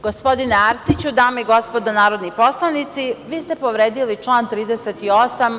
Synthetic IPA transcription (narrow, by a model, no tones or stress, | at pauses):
ɡ̥o̞spo̞d̪ineaɾsit͡ɕud̪aːmeiɡo̞spo̞d̪onaːɾo̞d̪nipo̞slˠanit̪siʋiːst̪e̞po̞ʋɾeːd̪ilit͡ʃlˠaːnt̪ɾiːd̪eset̪io̞sam